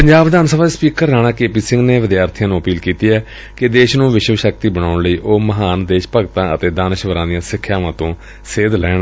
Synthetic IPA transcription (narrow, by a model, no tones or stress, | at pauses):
pəɲd͡ʒaːbd̪aːnsəbaːd̪espiːkəɾːaːɽ̃ãːkeːpiːsɪ̃ŋɡneːʋɪd̪jaːɾt̪ʰijãːnũːəpiːlkiːt̪iːɛː | kɪd̪eːʃnũːʋɪʃʋəʃək̚t̪iːbəɽ̃aːʊɳləiːʔoːməɦaːnd̪eːʃpəɡt̪ãːət̪eːd̪aːnɪʃʋəɾãːd̪ɪjãːsɪkʰːjaːʋãːt̪õː | seːd̪lɛːɳ